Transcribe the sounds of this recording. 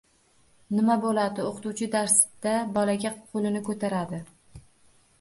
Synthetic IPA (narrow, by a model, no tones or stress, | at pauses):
nɪmabolad̪ɪoqt̪uwt͡ʃʰɪd̪aɾsd̪̥abɒlaɡʲaqʰolɪnɪkʰɵt̪ʰaɾad̪ɪ